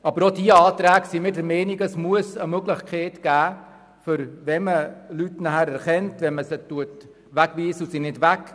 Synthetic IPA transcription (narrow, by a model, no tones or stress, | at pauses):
ɑbəɾodiəɑːtɾæːɡsimɪːdəɾmɛːniɡəsmuəsəmøɡlɪχkχeːtɡ̥æː | fʏɾʋɛməlytnæhæɾɛɾχɛntʋɛnməsətuət | ʋæɡʋiːsəusinɪdʋæk